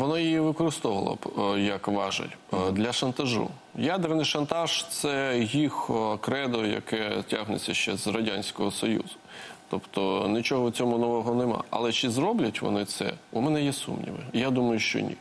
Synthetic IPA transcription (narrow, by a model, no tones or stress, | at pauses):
ʋɔnɔjiʋɪkɔɾɪst̪ɔʋɐlˠɔ̰jɐkʋɑʒɐ̰lʲd̪lʲɐʃɐnt̪ɐʒṵ | jad̪ernɪjʃɐnt̪ɑʒt̪sɛɦʲixkɾɛd̪ɔjɐ̰kɛtʲaɦnḛt͡sʲɐʃt͡ʃɛzrɐdʲanʲsʲkɔɦɔsɔjṵzʊt̪ɔpt̪ɔnɪt͡ʃɔɦɔwt͡sʲɔmʊnɔʋɔɦɔnɪmɑ̰ɐ̰lˠɛt͡ʃɪzɾɔblʲɐtʲʋɔ̰nɪt̪sɛ̰umɛnɛjɛsṵmnʲḭʋɪjad̪umɐjʊʃt͡ʃɔ̰nʲḭ